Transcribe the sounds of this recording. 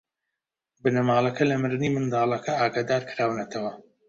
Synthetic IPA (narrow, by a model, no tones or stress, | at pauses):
bɨnɐmaːlˠɐkʰɐlɐmɨɾɨniːmɨnd̪ɑːlˠɐkʰɐaːɡaːd̪aːɾkɨɾaːwnɐt̪ʰɐwɐ